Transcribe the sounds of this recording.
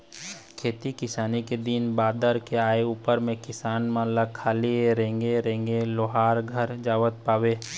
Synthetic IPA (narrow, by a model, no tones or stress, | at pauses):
kʰeːt̪ikɪsaːniked̪inbaːd̪əɾkeaːeuːpəɾmẽkɪsaːnmãləkʰaːlieɾẽːŋɡeɾẽːŋɡeloːɦaːɾɡʱəɾd͡ʒaːʋət̪̚paːweː